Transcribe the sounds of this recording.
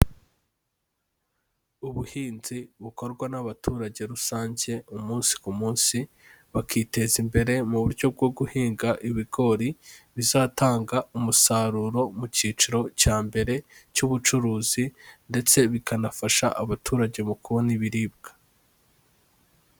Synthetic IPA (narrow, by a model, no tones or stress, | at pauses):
uβuhiːnziβuko̞ɾɡwanaβatʰuːɾaɟe̞ɾusaːɲɟe̞umuːnsi̥kumuːnsi | βakʰiːte̞zimbe̞ɾe̞muβuɾɟo̞b̚ɡo̞b̚ɡuhiːŋɡaʔiβiɡo̞ɾiβizaːtaːŋɡaumusaːɾuːɾo̞muciːt͡ʃuɾo̞caːmbe̞ɾe̞cuβut͡ʃuɾuːzinde̞t͡se̞βikʰanafaʃa̰ʔaβatʰuːɾaɟe̞mukuβoniβiɾiːb̚ɡ̥ḁ